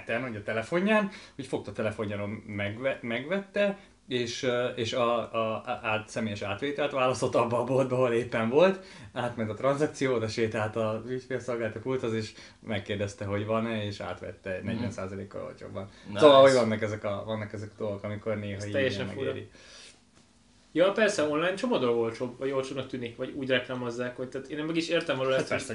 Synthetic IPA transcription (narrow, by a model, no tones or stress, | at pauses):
t̪ɛnhoɟɒt̪ɛlɛfo̞ɲːaːnhocfo̞kt̪ɒt̪ɛlɛfo̞ɲːaɾomɛɡɛmɛɡʋɛt̪ːɛ | eːʃeːʃɒ | aːt̪sɛmeːjɛʃaːt̪ʋeːt̪ɛlt̪ʋaːlɒst̪ot̪ːɒbːɒːbːold̪bɛɦoleːpːɛɱvo̞lt̪aːt̪mɛnt̪ɒt̪rɒnzɒk̚t̪sijoːd̪ɛʃeːt̪ɛɦat̪ɒycfesolɡaːlt̪ɒpult̪ɒziʃ | mɛkːeːrd̪ɛst̪ɛɦo̞ɟʋɒnɛeːʃa̰ːt̪ʋɛ̰t̪ːɛnɛɟvɛnsaːzɒleːkːɒ̰ɾo̰lt͡ʃo̰bːɒnsovaːhoɟvɒnːɒkɛzɛkɒvɒnːɒkɛzɛkɒ̥d̪o̞lɡokɒmiko̞rneːɦɒiːɛjːɛʃɛmɛ̰ɡ̰ɾḭ | jɒpɛrsɛo̞nlaːjɲt͡ʃomɒd̪oɡolt̪t͡ʃobvɒɟolt͡ʃob̪nkt̪ynikʋɒɟuːɟrɛklaːmozːaːkhoc̚t̪aːt̪eːnɛmːɛɡiʃeːrt̪ɛmvɒloːt̪pɛssɛ